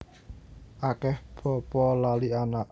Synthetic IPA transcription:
ʔakɛhb̥ɔ̤pɔlalianaʔ

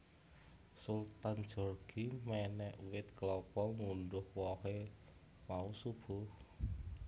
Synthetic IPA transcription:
sult̪an̥d͡ʒ̥ɔ̤rɡ̥imɛnɛʔuwɪt̪klɔkɔmuɳɖʊhwɔhe | mausub̥ʊh

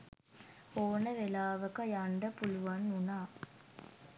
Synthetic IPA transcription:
oːnəʋelaːʋɐkɐjaɳɖəpuluʋanːunaː

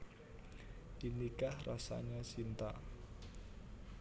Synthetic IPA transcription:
d̥inikahrasa̰ɲasint̪a̰

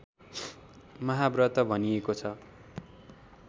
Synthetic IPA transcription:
mʌɦabrʌt̪ʌbʱʌniekot͡sʰʌ

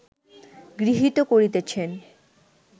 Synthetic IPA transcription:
ɡɾiɦit̪okoɾit̪et͡ɕʰen

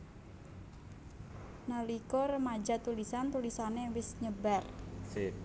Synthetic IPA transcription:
nalikɔrəmad͡ʒa̤t̪ulisant̪ulisanewɪsɲəbar

